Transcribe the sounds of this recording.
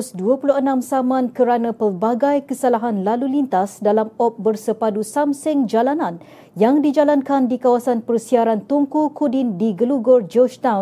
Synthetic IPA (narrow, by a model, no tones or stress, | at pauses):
sduəpuluənãmsamãnkəɾanãpərbaɡajkəsalaɦanlalulint̪asdalamɔp̚bərsəpadusamsɪŋd͡ʒalanãn | jaŋdid͡ʒalankandikawasanpərsiaɾant̪uŋkukudɪndiɡəluɡɔrd͡ʒɔt͡ʃtãw